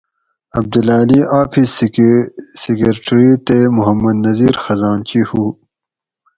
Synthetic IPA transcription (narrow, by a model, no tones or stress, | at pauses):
ɐb̚d̪ulaːliʔaːpʰis | sekeɾʈɾit̪emuɦɐmːɐd̪nɐziːɾxɐzaːnt͡ɕihuː